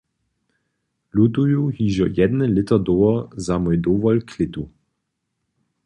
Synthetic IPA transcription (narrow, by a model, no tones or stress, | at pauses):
lut̪ujuhiʒɔjɛd̪nɛlɪt̪ɐd̪oːɔzamɔjd̪oːʋɔlkʰlɪt̪u